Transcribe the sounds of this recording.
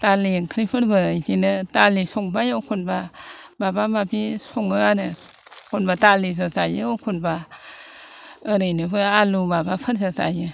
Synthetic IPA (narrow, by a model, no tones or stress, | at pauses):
taliŋkʰɾipʰɯɾbɯisinɯtalisɔŋbajɯkʰunbababamapʰisɔŋɯanɯkʰunbatalis̬asajɯokʰunba | əɾɯjnɯbɯalubabapʰɯɾsasa̰jɯ